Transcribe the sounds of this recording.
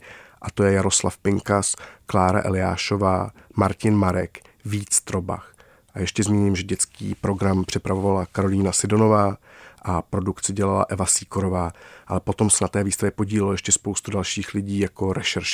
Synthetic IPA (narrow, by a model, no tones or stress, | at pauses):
ʔat̪o̞jɛjaɾo̞slafpɪŋkasklaːɾa̰ʔɛ̰lɪa̰ːʃo̞vaːmaɾcɪnmaɾɛk | viːt͡st̪ɾo̞ba̰x | ʔajɛʃcɛzmiːɲɪmʒɛɟɛt͡skḭːpɾo̞ɡɾampr̝̥ɪpɾavovalakaɾo̞liːnasɪdo̞no̞vaːʔapɾo̞dukt͡sɪɟɛlala̰ʔɛvasiːkoɾo̞vaːʔalɛpo̞t̪o̞msɛnat̪ɛːviːst̪avjɛpo̞ɟiːlɛlojɛʃcɛspowst̪udalʃiːxlɪɟiːjako̞ɾɛʃɛɾʃ